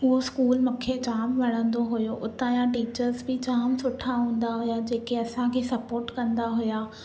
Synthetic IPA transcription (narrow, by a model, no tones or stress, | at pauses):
ɦʊɦoskuːlmʊkʰet͡ɕaːmʋɐɽ̤̃ə̃nd̪oɦʊjoʔʊt̪ãjãʈiːt͡ɕəɾzbɪt͡ɕaːmsʊʈʰaɦũːn̆d̪aɦʊjad͡ʑeːkeɐsãkʰesɐpoːɾʈkɐ̃nd̪aɦʊjaː